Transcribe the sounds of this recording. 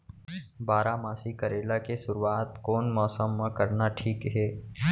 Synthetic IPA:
baːɾamaːsikəɾeːlakesʊɾuaːt̪koːnmɔːsəmːãkɐɾnaʈʰiːkɦɛː

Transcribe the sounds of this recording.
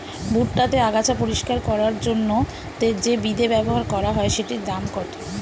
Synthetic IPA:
buʈʈat̪eaɡat͡ɕʰapoɾiʃkaɾkɔɾaɾd͡ʑonːo | t̪ed͡ʑebid̪ebɛboɦaɾkɔɾaɦɔeʃeʈid̪amkɔt̪o

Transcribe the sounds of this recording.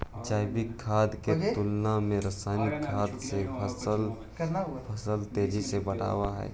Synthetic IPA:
d͡ʒaːɪbɪkʰːaːd̪ket̪ʊlnamẽɾɐsaːnikʰːaːd̪sepʰəsəl | pʰəsəlt̪eːd͡ʒisebəɽa̰ːwaɦɛ̰ː

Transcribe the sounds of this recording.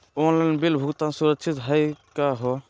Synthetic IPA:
ɔnlanbilbʱukt̪ãnsuɾəksʰit̪ɦajkaɦɔ

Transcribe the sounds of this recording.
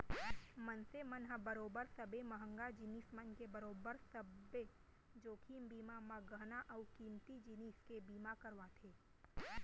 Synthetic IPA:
mənsemənɦəbəɾoːbəɾsəbeməɦə̃ŋɡad͡ʒiniːsmənkebəɾoːbəɾsəbe | d͡ʒoːkʰiːmbiːmamãɡənaʔɐʊkiːnt̪id͡ʒiniːskebiːmakəɾʋat̪ʰeː

